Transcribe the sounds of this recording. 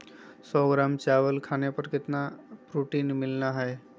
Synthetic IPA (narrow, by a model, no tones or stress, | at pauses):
sɔɡɾaːmt͡ʃaʋəlkʰaːnepəɾkɪt̪napɾuʈiːnmɪlnaɦɛe